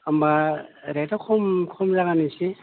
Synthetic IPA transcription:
ambaɾetakʰɔmkʰɔmzaɣanise

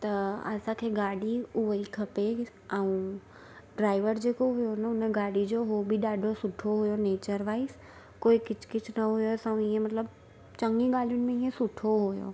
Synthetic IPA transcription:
t̪ɐɐ̰sãkʰeːɡaːɽiʊʋikʰɐpe | ɛũ | ɖɾaːɪʋəɾd͡ʑeːkoɦʊjonəʊnəɡaːɽid͡ʑoɦobʱiɗaːɖʱosʊʈʰoɦʊjoneːt͡ɕəɾʋaːɪs | koːikɪt͡ɕʰkɪt͡ɕʰnɐɦʊjosɐ̃ũɪɦẽmɐt̪ləb | t͡ɕɐŋɡiɡaːlijʊnɪ̆mẽiɦẽsʊʈʰoɦujo̰ː

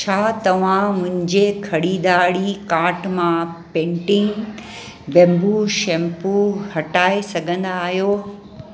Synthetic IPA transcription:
t͡ɕʰaːt̪ɐʋ̤ãmʊ̃ɦɪ̃ɲd͡ʑekʰɐɽiːd̪aːɽikaːɾʈmãpẽːɳʈiŋ | bɛ̃ːmbuʃɛ̃ːmpuhɐʈaːesɐɡʱə̃nd̪aːɦjoː

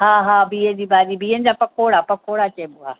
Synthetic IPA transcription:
ɦaːɦaːbiːəd͡ʑiːbaːɗiːbiːənɪ̆d͡ʑaːpɐkʰoːɽaːpɐkʰoːɽat͡ɕeːɓʊa̰ː

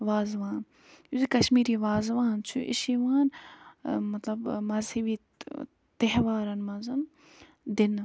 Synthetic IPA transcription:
ʋaːzʋãːn | juzikɐʃmiːɾiːʋaːzʋaːnt͡ʃʰṵʔɪ̰ʃiʋaːn | mɐt̪lɐbmɐzhiʋiː | t̪eɦʋaːɾɐnmɐzɐm | d̪ɪn

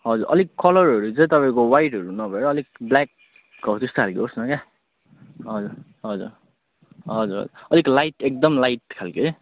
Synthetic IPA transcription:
ɦʌd͡zuɾʔʌ̰likkːʌlʌrɦʌɾut͡sʌ̃j̃t̪ʌpaĩkowajʈɦʌɾunʌbʱʌeɾʌːlikblak̚ː | ʌwt̪est̪okʰalkiosnʌka | ɦʌd͡zuɾ | ɦʌd͡zṵɾ | ʌd͡zuɾɦʌ̰d͡zuʌliklajʈek̚d̪ʌmlajʈkʰalke

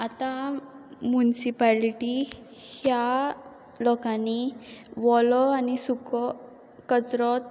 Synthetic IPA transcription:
at̪a | mjunisipaliʈi | hja | lɔkãniʋɔlɔanisukɔ | kət͡sɾɔt̪

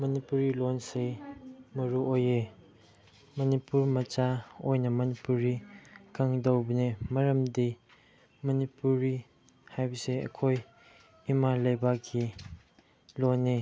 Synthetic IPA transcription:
mɐnipuɾilonsejmɐɾuoje | mɐnipuɾmɐt͡ʃaojnɐmɐnipuɾikaŋdɐwbɐnemɐɾɐmdi | mɐnipuɾi | hajbɐseɐ̰kʰoj | imalɐjbaɡʰi | lone

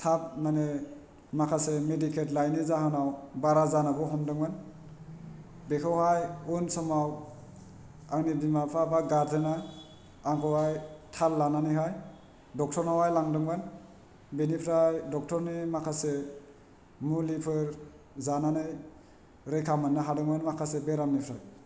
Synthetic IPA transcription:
tʰap̚mane | makʰasemedikʰetlajnizaɦanawbaɾazanabɔɦɔmdɯŋban | bekʰawɦajunsɔmaw | aŋnibimapʰabaɡaɾdɯna | aŋkʰɔwajtʰalːananɯɦaj | dɔk̚tʰɔɾnawajlaŋdɯŋban | binipʰɾajdɔk̚tʰɔɾnimakʰase | mulipʰɯɾ | zananɯj | ɾejkʰamanːaɦadɯŋbanmakʰasebeɾamnipʰɾaj

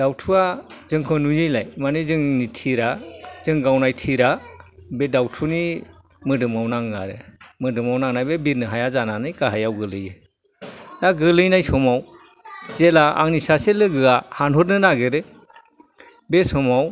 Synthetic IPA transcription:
d̥awtʰuazɯŋkʰɯnujɯjlajmanɯzɯŋnitʰiɾazɯŋɡawnajtʰiɾabedawtʰuni | mɯdɯmawnaŋɡa̰ɾɯ̰mɯdɯmawnaŋnajbebiɾnɯɦajazananɯjkaɦajawɡɯlɯjɯ | naɡɯlɯjnajsɔmaw | zelaa̰ŋnisaselɯɡɯahanɦɔɾnɯnaɡeɾɯ | besɔmaw

